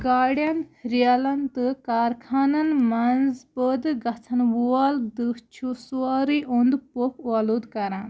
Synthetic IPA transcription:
ɡaːɽjɐnɾialɐnt̪ɨkaːɾkʰaːnɐnmɐnzpəd̪ɡɐt͡sʰɐnʋuald̪ɨt͡ʃʰusuaːɾiʔund̪popʋaːlud̪kɐɾãːn

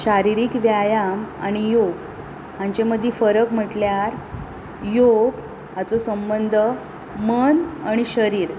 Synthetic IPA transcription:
ɕaɾiɾiːkʋjajama̰ɽ̃ijoɡ | hãɲt͡ɕeməd̪ʱːjifəɾəkm̤əʈljaɾ | joɡ | hat͡sosəmbənd̪ʱə | mənaɽ̃iɕəɾiːɾ

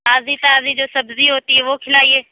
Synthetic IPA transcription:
aːzit̪aːzid͡ʒoːsɐbziɦoːt̪iɦɛʋokʰɪlaːiɦɛː

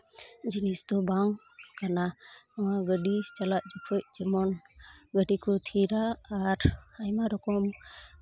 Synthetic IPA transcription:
d͡ʒinisd̪ɔbaŋ | kanaɔŋaɡəɖit͡ʃalaʔ̚d͡ʒɔkʰɔc̚d͡ʒəmɔn | ɡəɖikʰɔt̪ʰiɾaːɾajmaɾɔkɔm

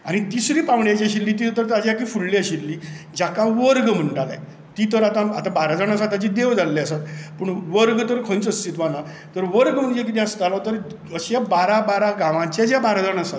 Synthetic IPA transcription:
añit̪isɾiːpãʋɽjat͡ɕeɕilːiːt̪it̪əɾt̪ad͡ʑeakiːfulleəɕiɾːiː | d͡ʑakaʋəɾɡm̤əɳʈala̰j | t̪it̪əɾat̪ãat̪ãbaɾad͡zəɳ̃asat̪at͡ɕid̪eʋd͡zalːeasat̪pəɳʋəɾɡt̪əɾkʰə̃nt͡səst̪iːt̪ʋana | t̪əɾʋəɾɡm̤əɳd͡ʑek̬it̪ẽãst̪alɔt̪əɾ | əɕabaɾabaɾaɡãʋãt͡ɕed͡ʑjabaɾad͡zəɳasat̪

